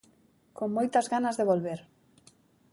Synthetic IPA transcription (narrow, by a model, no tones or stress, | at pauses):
koŋmojt̪azɣanazðeβolβeɾ